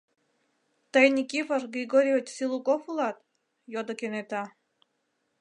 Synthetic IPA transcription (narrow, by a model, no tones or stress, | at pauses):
t̪əjnʲikʲiforɡɾʲiɡoɾʲiet͡ɕsilˠukofulˠɑt̪ | jod̪okenet̪ɑ